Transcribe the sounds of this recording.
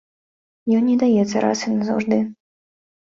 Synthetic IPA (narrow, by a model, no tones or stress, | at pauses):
jɔnʲːɛd̪ajɛt̪sːəɾa̰sɨnazɔ̰ʐd̪ɨ